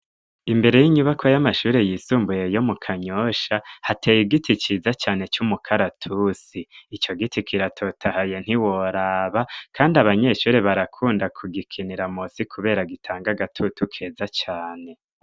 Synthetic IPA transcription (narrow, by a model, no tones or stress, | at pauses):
imbe̞ɾe̞jiɲuβakʰwojamaʃuːɾe̞jiːsuːmbuje̞jo̞mukʰaɲo̞ʃahatejiɡitʰit͡ʃizat͡ʃaːne̞t͡ʃumukʰaɾatʰusiit͡ʃo̞ɡitʰikʰiɾatʰo̞tʰahajen̥hiwoɾaːβakʰaːndiaβaɲe̞ʃuːɾeβaɾakʰuːndakʰuɡikʰiniɾamosikʰuβe̞ːɾaɡitʰaːŋɡaɡatʰutukʰe̞ːzat͡ʃaːne̞